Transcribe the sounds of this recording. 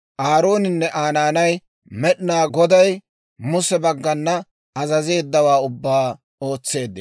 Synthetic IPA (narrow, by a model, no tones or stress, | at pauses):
ʔaːɾo̞ːnɪnːɛʔaːnaːnɐj | mɛɗɪnaːɡɔd̪ɐj | mʊsɛbɐɡːɐnːɐ | ɐzɐze̞ːd̪ːɐwaːʊbːaː | o̞ːt͡sːe̞ːd̪ːɪ